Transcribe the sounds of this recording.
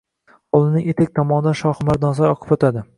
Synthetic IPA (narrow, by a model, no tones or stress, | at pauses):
olˠɪnɪŋet̪ʰek̚ʲt̪ʰɒmɒnɪd̪anʃɒhʊmaɾd̪nazaɾɒqʰɨ̥fot̪ʰad̪ɪ